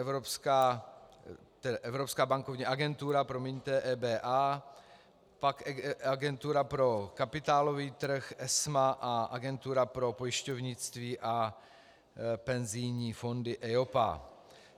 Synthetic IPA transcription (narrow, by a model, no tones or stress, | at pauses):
ɛvɾopskaː | t̪ɛdaʔɛvɾopskaːbaŋkovɲiːʔaɡɛnt̪uɾapɾomɪɲt̪ɛːʔɛːbɛːʔaː | pakaɡɛnt̪uɾapɾo̞kapɪt̪aːlo̞viːt̪r̩xʔɛsmaʔaʔa̰ɡɛnt̪uɾapɾo̞pojɪʃcovɲɪt͡st̪viːʔa | pɛnzɪjɲiːfo̞ndɪʔɛopa̰